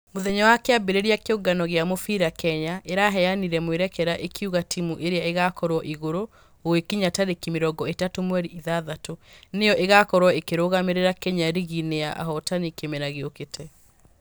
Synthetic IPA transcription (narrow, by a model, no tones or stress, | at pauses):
moðɛɲɔwakeabeɾeɾeakeoɡanɔɣeamofiɾakɛɲaʔeɾaɦɛaniɾɛmweɾɛkɛɾaʔekʰiuɣatʰimuʔeɾeaeɣakɔɾwɔʔiɣoɾo | owekiɲataɾekimeɾɔɡɔetatomwɛɾiiðaðatonejɔʔeɣakɔɾwɔekeɾoɣameɾeɾakɛɲaɾiɣineaʔa̰ɦɔtanikemɛɾaɣeoketʰɛ